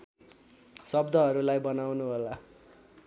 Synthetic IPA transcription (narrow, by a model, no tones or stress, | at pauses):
sʌbd̪ʱʌɦʌɾulajbʌnawnuɦola